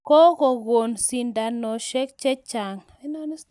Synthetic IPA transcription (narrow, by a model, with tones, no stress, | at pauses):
ko˦ɣo˨ɣo˨nsi˨nda˨nɔ˨ʃɛ˦k̚t͡ʃɛ˦t͡ʃa˨ŋ˨ɪ˦nɔ˦n˦